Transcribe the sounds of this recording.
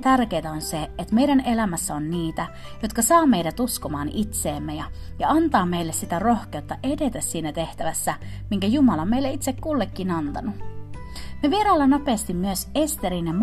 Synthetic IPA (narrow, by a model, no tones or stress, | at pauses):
t̪ærk̟ejt̪æonseet̪mejɾæne̞læmæsːæo̞nniːt̪æ | jo̞t̪kɑsɑːmejdæt̪usko̞mɑːnit̪se̞ːmːejɑ | jɑɑnt̪ɑːme̞ijlːessit̪æro̞hk̟e̞ut̪ːɑʔe̞de̞t̪æssiːnæt̪e̞ht̪æʋæsːæ | miŋkæjumɑlɑmeilːeit̪sekkulːekːinɑnt̪ɑnu | meʋieɾɑːlːɑnope̞ːst̪imːyøse̞st̪eɾinem